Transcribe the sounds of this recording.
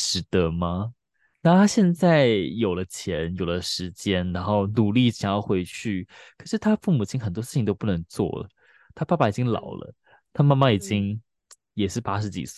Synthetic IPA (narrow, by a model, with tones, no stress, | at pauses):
ʈ͡ʂɻ̩˧˥t̪ə˧mɐ˨ | na˥˩t̪ʰa˥ɕjɛ˥˧nt͡sa˥˩ɪjo˨˩ʊlə˦t͡ɕʰjɛ˧˥njo˨˩ʊlə˦ʂɻ̩˧˥t͡ɕjɛ˥nɻa˧˥nxo˥˩ʊnu˨˩li˥˩ɕjɑ˨˩ŋjɑ˥˩ʊxwe˧˥ɪt͡ɕʰy˥˩kʰɤ˨˩ʂɻ̩˥˩t̪ʰa˥fu˥˩mu˨˩t͡ɕʰi˥nxə˨˩nt̪wɔ˥ʂɻ̩˥˩t͡ɕʰi˨ŋt̪o˥ʊpu˥˩nə˧˥ŋt͡swɔ̰˥˩lə̰˩ | t̪ʰa˥pa˥˩pa˥˩i˨˩t͡ɕi˥ŋlɑ̰˨˩ʊlə̰˦ | t̪ʰa˥˧ma˥˧ma˥˩i˨˩t͡ɕi˥ŋ | jɛ˨˩ʂɻ̩˥˩pa˥ʂ̬ɻ̩˧˥t͡ɕḭ˨˩s̩˥˩